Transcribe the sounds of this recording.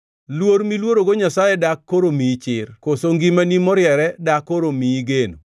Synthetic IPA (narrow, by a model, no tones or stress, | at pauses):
lwoɾmilwoɾoɡoɲasajɛdakːoɾomit͡ʃɪrkosoŋɡimanimɔɾjɛɾɛdakːoɾomiɡeno